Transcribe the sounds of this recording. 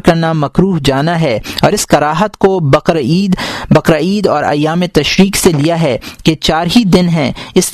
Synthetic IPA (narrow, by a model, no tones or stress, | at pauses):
kɐɾnamɐkɾuːɦd͡ʒaːnaɦɛːɔːɾɪskɐɾaːɦət̪kobɐɾiːd̪bɐqɾaiːd̪ɔːɾɐ̰jaːmet̪ɐʃɾiːkselijaɦɛket͡ʃaːɾɦid̪ɪnɦɛ̃ɪs